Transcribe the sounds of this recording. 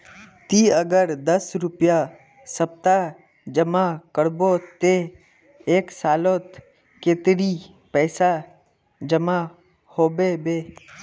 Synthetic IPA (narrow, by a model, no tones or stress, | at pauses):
t̪iːəɡəɾd̪əsɾʊpja | səp̚t̪a | d͡ʒəmakəɽbot̪e | eːksaːloːt̪ | keːt̪ɾi | pɛːsa | d͡ʒəma | hoːbebeː